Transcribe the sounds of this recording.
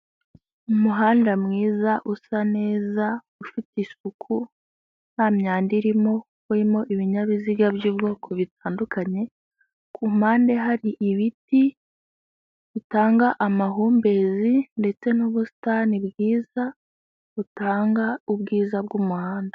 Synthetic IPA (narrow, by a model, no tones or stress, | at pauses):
umuɦaːndamŋiːzaʔusane̞ːza | ufitisukʰu | n̥aːmɲaːndiɾimo̞ | uɾimo̞ʔiβiɲaβiziɡabjiːbɡo̞ːkʰo̞βit̚aːndukaɲe̞ | kʰum̥aːnde̞ɦaɾiʔiβiti | βitaːŋɡaʔamaɦuːmbe̞zinde̞t͡se̞nuβusi̥taːnibɡiːza | βutaːŋɡaubɡiːzabɡuːmuhaːnda